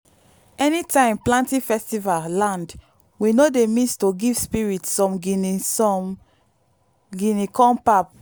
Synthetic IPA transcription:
ɛnitãɪ̃mplãntifɛstivallãnd | winodemĩstoɡiv̥spiɹitːɔ̃mɡi | ɡinikɔ̃npap̚

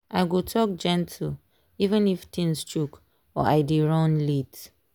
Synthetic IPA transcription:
ʔaɪɡotʰɔk̚d͡ʒɛ̃ntʰl̩ | ivə̃niftĩnst͡ʃuk | ɔ̰ʔaɪdeɹɔ̃nlit

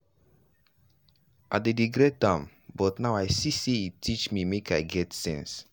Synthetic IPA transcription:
ʔa̰dedeɡɾet̚ãm | bɔtnaʊaɪsiseitʰit͡ʃmimekʰaɪɡɛtsɛ̰̃ns

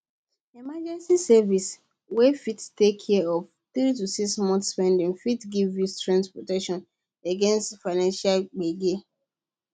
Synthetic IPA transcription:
emad͡ʒɛ̃nsisɛvis | wefittekʰːɛɔf | θɹitusiksmɔ̃nθspɛ̃ndĩŋfitɡivjustɹãntpɹɔtɛkʃɔ̃n | eɡɛ̃nstfaɪnãnʃalɡ͡beɡe

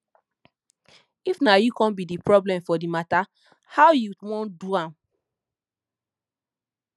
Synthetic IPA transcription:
ifnajukɔ̃nbidipɹɔblɛ̃mfɔdimata | hawjuwɔ̃nduãm

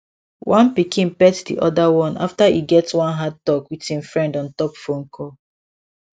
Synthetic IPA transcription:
wʔãnpikĩnpɛtsdḭʔɔdawɔ̃na̰ftaiɡɛtwãnɦad̚tɔkwithĩmfɹɛ̃ndɔ̃ntɔpfoŋ̩kʰɔ

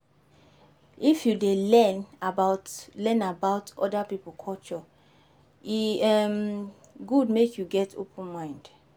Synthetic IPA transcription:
ifjudelɛ̃nabaʊtlɛ̃nabaʊtʰɔdapipl̩kʰɔlt͡ʃɔ | iɛm | ɡud̚mekʰjuɡɛtʰo̰pʰə̃nmãɪ̃nd̥

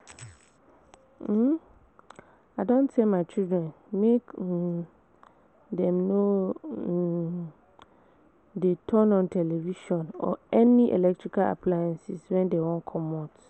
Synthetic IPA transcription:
aɪdõntemaɪt͡ʃildɹɛ̃n | mek | dɛ̃mno | detʰɔ̃nɔ̃ntʰɛlɛviʃɔ̃nɔ̰ɛnĩʔḛlɛk̚tʰɹikala̰pʰlajɛ̃nsiswɛ̃ndewɔ̃nkʰɔ̃mat

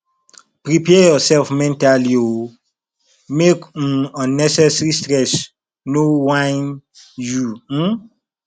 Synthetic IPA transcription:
pɾipɛjɔsɛlfmɛ̃ntalio | mek̩ɔ̃nɛsɛsɹistɹɛs | nowãɪ̃nju

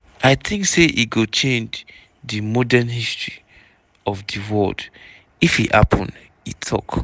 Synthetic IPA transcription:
aɪθʰĩŋkseʔiɡot͡ʃʰẽnd͡ʒ | ðɨmɔdɛnhistɹ̥i | ɔvðɨwɔld | ifiʔha̰pʰɔ̃nd | itʰɔ̰k

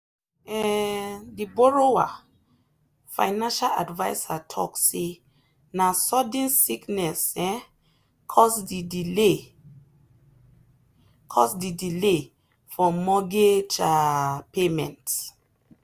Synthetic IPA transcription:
ɛ | diboɹowa | fa̰jnãnʃala̰dvajsatʰɔ̰kse | nasɔdĩnsiknɛsɛ̃ | kʰɔsdid | kʰɔsdidile | fɔmɔɡed͡ʒapemɛ̰̃nt

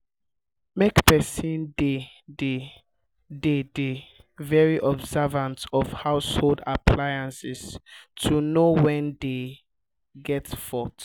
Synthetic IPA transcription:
mekpɛsĩnde | de | dede | vɛɹiʔɔbzɛvãntɔvhaʊsholdapʰlajãnsistʰunowɛ̃nde | ɡɛtfɔt

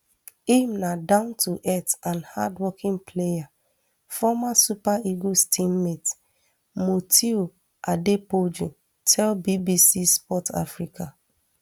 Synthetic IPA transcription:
imnadãʊ̃ntʰuʔɛtãnha̰dwɔkĩŋpʰleja | fɔmasupaiɡostĩmmet | motʰio | ʔadepod͡ʒũ | tʰɛlbibisispɔta̰fɹikʰa

